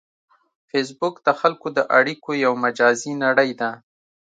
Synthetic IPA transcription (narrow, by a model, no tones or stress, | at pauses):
fes̬bʊkd̪əxalkod̪əʔaɽikojawmad͡ʒɑzinaɽəjd̪a